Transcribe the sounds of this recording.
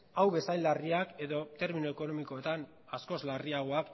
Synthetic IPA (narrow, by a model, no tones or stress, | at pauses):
awβe̞sajlariake̞ðo̞t̪e̞ɾminue̞ko̞no̞miko̞et̪an | asko̞zlariaɣ̞o̞ak